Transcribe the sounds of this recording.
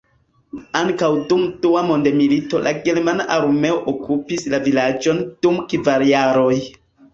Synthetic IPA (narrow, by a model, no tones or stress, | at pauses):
aŋkawdumduamo̞ndemilito̞lʔa̰ɡeɾmanaʔaɾme̞oʔokʰupislavilad͡ʒo̞nd̥umkvaɾjaɾoj